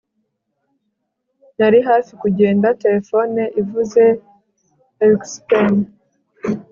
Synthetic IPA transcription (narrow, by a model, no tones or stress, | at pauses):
naɾiɦaːfikuɟe̞ːndate̞ɾefo̞neʔivuze̞ | ekspen